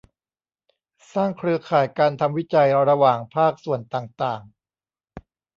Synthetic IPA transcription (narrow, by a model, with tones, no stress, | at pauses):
saː˥˩ŋkʰɾɯ˧ɐkʰaː˨˩jkaː˧nt̪ʰa˧mwi˦˥t͡ɕa˧jɾa˧waː˨˩ŋpʰaː˥˩k̚su˨˩ənt̪aː˨˩ŋt̪aː˨˩ŋ